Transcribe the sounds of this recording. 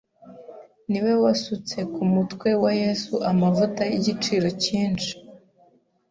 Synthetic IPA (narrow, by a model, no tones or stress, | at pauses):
niwe̞wasut͡se̞kumutkwe̞waje̞suʔamavutajiɟit͡ʃiːɾo̞ciːnʃi̥